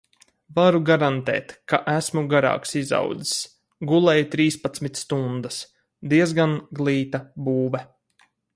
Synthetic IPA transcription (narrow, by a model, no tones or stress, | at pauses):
vaɾuɡaɾant̪ɛ̰ːt̪kaʔæsmuɡaɾa̰ːksiza̰wd̪zi̥s | ɡulˠɛjt̪ɾiːspat̪smit̪st̪und̪as | d̪iɛzɡanɡlˠiːt̪abuːvɛ